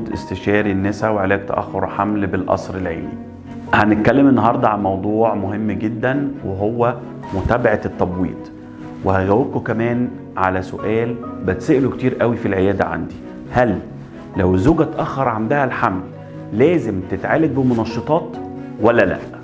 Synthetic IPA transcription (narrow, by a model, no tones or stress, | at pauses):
d̪ʔḛst̪eʃɑːɾinːesæweʕelæːk̚t̪æ̰ʔæ̰xːoɾˤħamlbelʔɑ̰sˤɾelʕḛːnḭ | hænet̪̚kælːemenːɑɦɑɾˤd̪ˤɑʕalmɑwd̪ˤuːʕmoɦemːɡed̪ːænweɦowːæ | mot̪æːbaʕet̪ːɑbwḭːt̪ˤ | wehæɣæwːeb̚kokæmæːn | ʕalæso̰ʔæːlbæt̪seʔlok̚t̪iːɾʔæwifilʕejæːd̪æ̰ʕa̰nd̪i | hælː | æwzoːɡæt̪æʔæxːɑɾˤʕand̪æhælħamlː | æːzemt̪et̪ʕaːlæd̪̚bemonɑʃːet̪ˤɑːt̪ | wælːælæ̰ʔ